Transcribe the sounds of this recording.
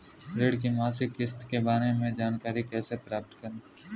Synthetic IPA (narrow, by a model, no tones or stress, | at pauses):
ɾeːɽk̬imaːsɪkɪst̪kebaːɾemẽd͡ʒaːnkaːɾikɛːsepɾaːp̚ʈ̪kɐɾneː